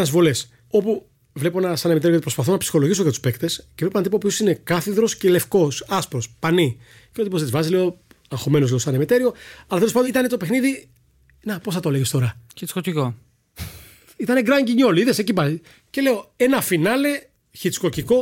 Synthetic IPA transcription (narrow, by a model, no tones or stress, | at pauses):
ɐzvo̞les | o̞pu | vlepo̞enɐsɐnemit̪eɾooipɾospɐθo̞nɐpsi̥xo̞loʝisokɐt̪u̥spe̞kt̪escevleonɐt̪ipopiosine̞kɐθiðɾo̞scele̞fko̞sɐspɾo̞spɐni | çeot̪ipozizvɐzileo̞ | ɐŋxo̞me̞nozleosɐnemit̪e̞ɾio̞ɐlɐt̪elospɐd̪it̪ɐnet̪ope̞xniði | nɐposθɐt̪oleʝest̪o̞ɾɐçit͡skociko | it̪ɐneɡɾɐɲɟiɲo̞liiðesecipɐzi | ce̞le̞o̞e̞nɐfinɐle̞ | çit͡sko̞ciko̞